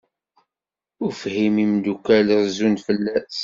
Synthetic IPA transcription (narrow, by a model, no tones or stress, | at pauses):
ʊfhimimd̪ukælzunfəlːæs